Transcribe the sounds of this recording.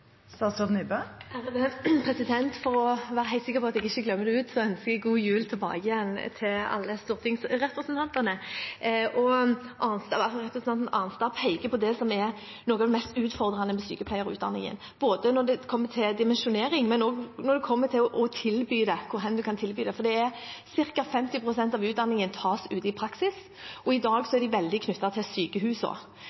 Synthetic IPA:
st̪ɑːt̪sɔʁn̩ibøːæɾəd̪ɛpʰɾɛsɪd̪ɛnt̪fɔɾɔʋæːɾəɦæɪt̪sɪkːəɾpʰɔɑt̪ɛɡɪçːəɡlœmːəd̪ɛʉːt̪sɔœnskəɡuːjʉːlt̪ʰɪlbɑ̰ːɡɪjɛnt̪ʰɪlɑ̰lːəst̪uːɾət̪ʰɪŋsɾɛpɾəsnt̪ɑnt̪ɑnə | ʔɔʔɑːnst̪ɑʋɑflʁɛt̪ːsɑnt̪nɑ̰ːnst̪ɑːpʰæɪɡəpʰɔd̪ɛsɔmɛ | noːɡɑʋd̪ɛmɛst̪ʉːt̪fɔɾd̪ɾɑnəmɛsy̰ːkəpʰlæɪəɾɔʉːt̪d̪ɑ̰nːɪ̰ŋə̰n | b̥oːd̪ənɔɾɖ̪ɛkʰɔmːət̪ʰɪld̪ɪmɛnʃʊneːɾɪŋmɛnoːɡnɔɾd̪ɛkʰɔmːət̪ʰɪlɔʔɔt̪ʰɪlbyːd̪ɛkʰʊɾɦɛnd̪ʉkʰɑnt̪ʰɪlbyːd̪ɛfɔɾd̪ɛæɾsɪɾkɑfɛmt̪ɪpʰɾʊsɛnt̪ɑʋʉːt̪̚d̪ɑnːɪŋənt̪ʰɑːsʉːt̪ɪpʰɾɑksɪs | ɔɪd̪ɑːɡsɔæɾd̪ɪʋɛld̪ɪkʰnʉt̪ːɑt̪ʰɪlsyːkəɦʉːsɔ̰

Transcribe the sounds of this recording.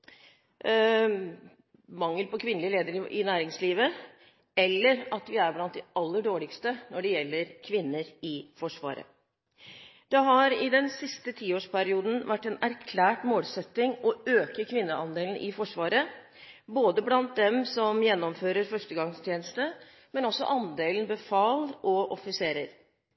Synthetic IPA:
mɑŋːəlpɔkʰʋɪnəlɪəleːd̪əɾʔɪ̰næːɾɪŋsliːʋə | ɛlːəɾɑt̪ʋɪæɾblɑnt̪̚d̪ɛɑlːəɖoːɭɪkst̪ənɔɖɛjɛlːəɾkʰʋɪnːəɾɪfɔʂʋɑ̰ːɾə̰ | d̪̥ɛɦɑɾɪd̪ɛnsɪst̪ət̪ʰiːoːʂpʰæɾɪuːd̪n̩ʋæʈːɛnæɾkʰlæːʈmoːlsɛt̪ːɪŋɔøːkəkʰʋɪnːəɑnd̪eːln̩ʔɪfɔʂʋɑːɾə | boːd̪əblɑnt̪̚d̪ɛmsɔmjɛnːɔmføːɾəɾfœʂʈəɡɑŋst̪ʰjeːnəst̪ə | mɛnɔsːɔ̰ʔɑnd̪eːlənbəfɑːlɔʔɔfɪseːɾə̰ɾ

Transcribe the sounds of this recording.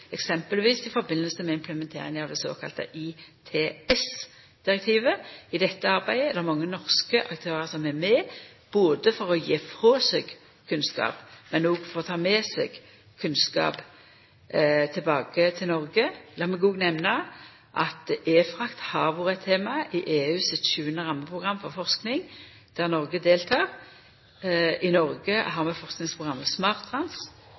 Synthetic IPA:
ɛksɛmpəlʋiːsɪfɔɾbɪnːəlsəmɛɪmpʰləmɛnt̪ʰḛːʁɪŋɑːʋd̪ɛso̰ːkʰɑ̰lt̪ə̰ʔit̪ʰeːɛs | d̪̥ɪʁɛk̚t̪ʰiːʋəɪd̪ɛt̪ːəɑʁbæɪəd̪ɛɛʁɾmɑŋːənɔʁskəʔɑkt̪ʰøːʁəʁsɔmɛmɛːb̥uːd̪əfɔʁɔjeːfʁoːseɡ | kʰʉnskɑ̰ːpmɛnːoːɡfɔʁɔt̪ʰɑːmɛːsḛːɡ | kʰʉnskɑ̰ːp | t̪ʰɪlbɑːɡət̪ʰɪlnɔʁɡəlɑːmɛɡuːɡnɛmnɑ | ʔɑt̪eːfʁɑkt̪hɑʁʋoːɾəɛt̪ʰːeːmɑʔɪʔeːʉːsɛt̪ʃʉːənəʁɑmːəpʰʁʊɡʁɑmːfɔʁfɔʁsknɪŋ | d̪̥æʁnɔʁɡəd̪eːlt̪ʰɑːʁ | ɪnɔʁɡəɦɑɾmɛfɔʁsknɪŋspʰʁʊɡʁɑmːəsmɑːʁt̪ʰːʁɑns

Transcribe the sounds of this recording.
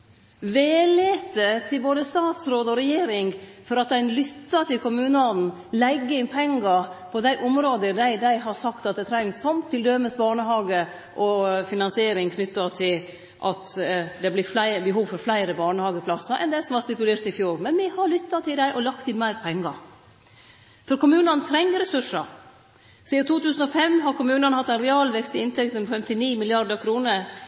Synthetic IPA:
ʋeːlet̪ət̪ʰɪlboːd̪əst̪ɑːt̪sɾoːd̪ɔɾɛjeːɾɪŋfɔɾɑt̪̚d̪æɪnlʏt̪ːɑt̪ʰɪlkʰʊmʉːnəɔd̪n̩ | lɛɡːəɪnpʰɛŋɡɑpʰɔd̪æɪʔɔmɾoːd̪əd̪æɪd̪æɪɦɑɾsɑkt̪ɑt̪̚d̪ɛɪt̪ʰɾɛŋssɔmt̪ʰːɪld̪øməsbɑːɳəhɑːɡə | ʔɔfɪnɑnsɪeːɾɪŋkʰnʏt̪ːɑt̪ʰɪl | ʔɑt̪d̪ɛblɪflæɪbəɦuːʋfɔɾflæɪɾəbɑːɳəhɑːɡəpʰlɑsːəɾʔɛ̰nd̪æsɔmʋɑst̪ɪpʉleːɾt̪ɪfjuːɾmɛnmɪhɑɾlʏt̪ːɑt̪ʰɪld̪æɪʔɔlɑkt̪ʰiːd̪mæɪɾpʰɛŋːɑ | fɔɾkʊmʉːnɑnt̪ʰɾɛŋːəɾɛsʉʂə̰ɾ | siːt̪ʰuːt̪ʉːsən̩ɔfɛmɦɑɾkʊmʉːnɑnəhɑt̪ːæɪnɾɛɑːlʋɛkst̪ɪɪnt̪ʰɛkt̪ənpʰɔfɛmt̪ɪniːmɪlɪɑɾd̪əɾkʰɾuːnəɾ

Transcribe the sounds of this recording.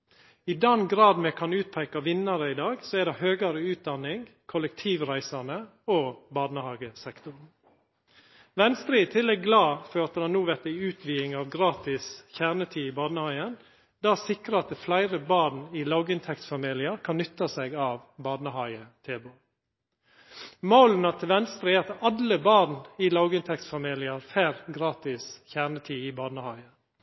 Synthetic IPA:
ɪd̪ɑnɡɾɑːd̪meːkʰɑnʉːt̪̚pʰæɪkɑʋɪnːɑɾəɪd̪ɑːɡsoːɛd̪ɑhøːɡɑɾəʉːt̪̚d̪ɑnːɪŋkʰɔlɛk̚t̪ʰiːʋɾæɪsɑnə | oːbɑːd̪nəhɑːɡəsɛkt̪ʊɾn̩ | ʋɛnst̪ɾiːɪt̪ʰɪlːɛɡlɑːføːɾɑt̪əd̪ɑnuːʋæt̪æɪʉːt̪ʰʋiːɪŋɑʋɡɾɑːt̪ɪsçæːʁnət̪ʰiːɪbɑːd̪nəhɑɪən | d̪̥æːæsɪkɾəɑt̪̚d̪əflæɪɾəbɑːnilɑɡɪnt̪ʰɛkt̪sfɑmiːlɪəɾkʰɑnːʏt̪ːɑsɛɡɑʋbɑːnəhɑɪət̪ʰeːboː | moʊln̩ɑt̪ʰʋɛnst̪ɾəɑt̪ɑləbɑːnilɑʊɡəɪnt̪ʰɛkt̪sfɑmiːlɪəɾfæɾɡɾɑːt̪ɪsçæːʁnət̪ʰiːiːbɑːnəhɑɪə

